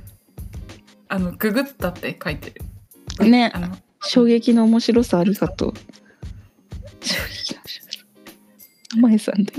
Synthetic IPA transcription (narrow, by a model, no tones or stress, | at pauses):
anoɡɯ̟ɡɯ̟t͡sɨ̥t̪at̪ːekait̪eɾɯ̟ | ne̞ | ɕo̞ːɡe̞kʲino̞ːmo̞ɕiɾo̞saːɾʲikat̪o̰ | ɕoːɡekʲi̥noɕḁ | amaisã̰nd̪e